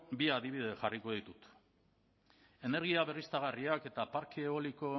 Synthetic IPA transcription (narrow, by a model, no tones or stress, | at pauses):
biaðiβiðe̞ʝariko̞ð̞it̪ut̪ | e̞ne̞ɾɣiaβe̞rist̪aɣ̞ariake̞t̪apaɾkʰieoliko̞